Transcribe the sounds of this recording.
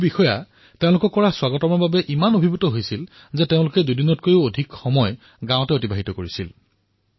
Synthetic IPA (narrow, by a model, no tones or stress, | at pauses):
bixɔja | teʊ̃lʊkɔkːɔɹaswaɡɔtɔmɔɹbabɛʔimanobʱibutɔɦojsil | zɛteʊ̃lʊkɛdudinɔt̚kojʊodʱikxɔmɔj | ɡãwtɛotibaɦitɔkoɹisḭl